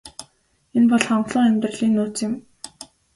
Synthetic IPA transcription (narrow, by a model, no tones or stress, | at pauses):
enpɔɮχɔɴɢɮʊːŋæmʲt̪rə̆ɮiːnːuːt͡sɪ̆m